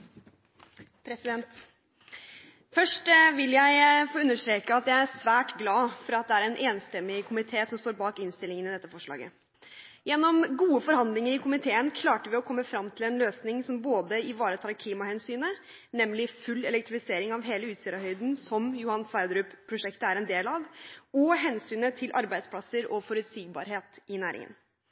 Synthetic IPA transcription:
pʰɾɛsɪd̪ɛnt̪ | fœʂʈʋɪljæɪfoːʉnːəʂt̪ɾeːkəɑt̪jæɪæɾsʋæːʈɡlɑːfɔɾɑt̪̚d̪ɛæɾɛnʔeːnst̪ɛmːɪkʰʊmɪt̪ʰeːsɔmst̪oːɾbɑːkɪnst̪ɪlɪŋənɪd̪ɛt̪ːəfɔʂlɑ̰ːɡə̰ | jɛnːɔmɡuːəfɔɾhɑnd̪lɪŋəɾɪkʰʊmɪt̪ʰeːənkʰlɑːʈəɾʋɪɔkʰɔmːəfɾɑmːt̪ʰɪlɛnløːsnɪŋsɔmboːd̪əɪʋɑːɾət̪ʰɑːɾkʰliːmɑhɛnsyːnə | nɛmːlɪfʉlːɛlɛk̚t̪ɾɪfɪseːɾɪŋɑʋɦeːləʉːt̪siːɾɑɦœʏd̪n̩sɔmjʊhɑnsʋɑɪd̪ɾʉpʰːɾʊʂɛkt̪əæɾɛnd̪eːlɑʋɔɦɛnsyːnət̪ʰɪlʔɑɾbæɪspʰlɑsəɾɔfɔɾʉt̪siːɡ̚bɑ̰ːɾɦeːt̪ɪnæːɾɪ̰ŋə̰n

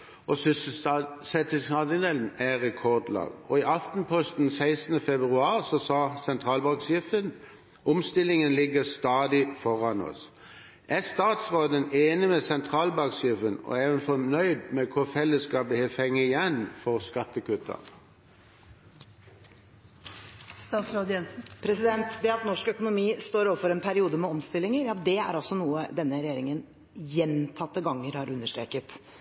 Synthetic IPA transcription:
ʔɔsssɛt̪ɪsɑd̪ɪd̪eln̩æʁɛkʰɔʁd̪lɑ̰ːɡɔɪʔɑft̪n̩pʰɔst̪n̩sæɪsn̩əfɛbʁʉɑːʁsɔsɑːsɛnt̪ʰʁɑːlbɑksjɪft̪ən | ʔʊmst̪ɪlːɪŋənlɪɡəst̪ɑːd̪ɪfɔʁɑnɔ̰s | ʔæst̪ɑːt̪sʁoːd̪əneːnɪmɛsɛnt̪ʰʁɑːlbɑksjɪfənɔ̰eːʋənfɔnœʏd̪mɛkʰʊʁfɛlːəskɑbəhefɛŋːəɪjɛnfɔʁskɑt̪ːəkʉt̪ʰə̰ʁ | st̪ɑːt̪sɾod̪ɛn̩pʰɾɛsɪd̪ɛnt̪d̪ɛɑt̪nɔʂkœkʊnʊmiːst̪oːɾoːʋəfɔɾɛnpʰæɾɪuːd̪əmɛɔmst̪ɪlːɪŋəɾjɑd̪ɛæ̰ɾɑsːɔnuːəd̪ɛnːəɾɛjeːɾɪŋən | jɛnt̪ʰɑt̪ːəɡɑŋːəɾhɑɾʉnːəʂʈɾḛːkət̪

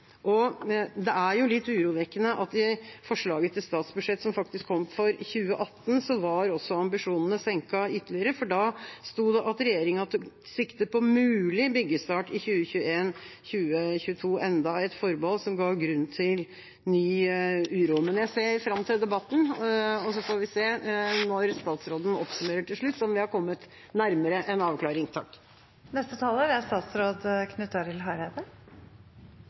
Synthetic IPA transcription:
ʔɔd̪ɛæɾjʊlɪt̪ːʉːɾuːʋɛkːənəʔɑt̪ːɪfɔʂɭɑːɡət̪ʰɪlst̪ɑːt̪sbʉd̪ʂɛt̪ːsɔmfɑk̚t̪ɪskʰːɔmfɔɾçʉːəʔɑt̪ːn̩sɔʋɑɾɔsːɔɑmbɪʂuːnənəsɛŋkɑʏt̪ːəlɪəɾəfɔɖɑst̪uːd̪ɛʔɑt̪ɾɛjeːɾɪŋɑt̪sɪkt̪əpʰɔmʉːlɪbʏɡːəst̪ɑːʈɪçʉːəçʉːəeːnçʉːəçʉːt̪ʰuːʔɛnd̪ɑɛt̪fɔɾbɔlsɔmɡɑːɡɾʉnːt̪ʰɪl | nyːʉːɾumənjæɪseːɾfɾɑmt̪ʰɪld̪ɛbɑt̪ːn̩ɔsɔfoːɾʋɪseːnɔɾst̪ɑːt̪sɾoːd̪ən̩ɔpsʉmeːɾəʈʰɪlʂɭʉt̪ːɔmʋɪhɑɾkʰɔmːət̪ | næɾməɾəʔɛnɑːʋkʰlɑːɾɪŋt̪ʰɑkː | nɛst̪ət̪ʰɑːlæɾæst̪ɑːt̪sɾoːd̪kʰnʉt̪ːɑɾɪlɦɑɪɾed̪ə

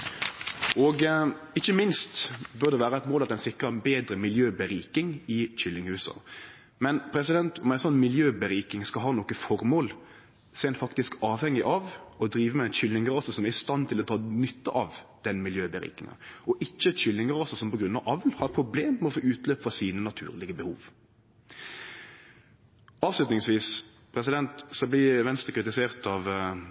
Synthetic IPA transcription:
ɔɡ | ɪçːəmɪnst̪bʉɾd̪ɛʋæːɾəɛɪt̪moːlɑt̪ɛɪnsɪkɾəbeːd̪ɾəmɪljøːbəɾiːkɪŋɪçʏlːɪŋhʉːsə̰ | mɛnpʰɾɛsɪd̪ɛnt̪ʰɔmæɪsɔnːmɪljøːbəɾiːkɪŋskɑlɦɑːnɔkːəfɔɾmoːl | sɔɛnfɑkt̪ɪskɑːʋhɛŋːɪʔɑʋɔd̪ɾiːʋəmɛænçʏlnɪŋəɾɑːsəsɔmæɾɪst̪ɑnt̪ʰɪlɔt̪ʰɑːnʏt̪ːəʔɑʋd̪̥ɛnmɪljøːbəɾḭːkɪ̰ŋɑ̰ɔʔɪçːəçʏlnɪŋəɾɑsəsɔmpɔɡɾʉnːɑʋʔɑʋlhɑɾpʰɾʊbleːmmɛɔfoːʉːt̪løːpəfʁɑsiːnənɑt̪ʰʉ̰ːɾlɪɡəbəhuːʋ | ɑːʋslʉt̪nɪŋsʋiːspʰɾɛsɪd̪ɛnt̪sɔblɪʋɛnst̪ɾəkɾɪt̪ɪseːʁt̪ɑʋ

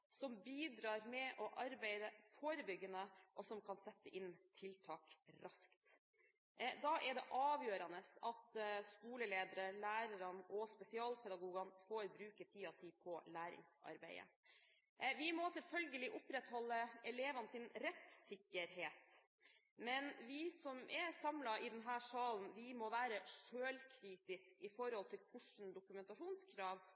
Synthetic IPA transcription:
sɔmbiːd̪ɾɑːɾmɛʔɔʔɑɾbæɪd̪əfoːɾəbʏɡənəʔɔsɔmkʰɑnsɛt̪ːəʔɪnt̪ʰɪlt̪ʰɑːkɾɑskt̪ | d̪ɑːʔɛɾd̪ɛʔɑːʋjøːɾɑnəsɑt̪skuːləleːd̪əɾəlæːɾɑɾɑnɔspɛsɪɑːlpʰɛd̪ɑɡuːɡɑnfoɾbɾʉːkət̪ʰiːɑt̪ʰiːpʰɔlæːɾɪ̰ŋsɑ̰ɾbæ̰ɪə̰ | ʋɪmɔsɛlfœlɡəlɪʔʊpɾɛt̪hɔlːəɛleːʋɑnəsɪnɾɛt̪sɪkːəɾɦeːt̪ | mɛnʋɪsɔmʔɛsɑmlɑʔɪd̪ɛnɦæːʂɑːln̩ʋɪmɔʋæːɾəʂøːlkʰɾiːt̪ɪskɪfɔɾhɔlt̪ʰɪlkʰʊʂn̩d̪ʊkʉmɛnt̪ɑʂuːnskʰɾɑːʋ

